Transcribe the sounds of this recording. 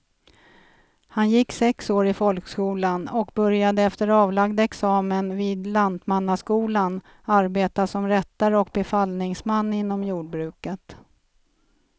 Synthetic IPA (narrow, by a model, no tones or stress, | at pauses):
hanjɪkːsɛksoːɾɪfɔlkskuːlanɔkbɵɾjad̪əɛft̪əɾɑːvlaɡd̪aɛksɑːmənviːd̪land̪manːaskuːlan | aɾbeːt̪asɔmɾɛt̪ːaɾəɔk̚bɛfalnɪŋsmanːɪnːɔmjuːɖ̚bɾʉ̟ːkət̪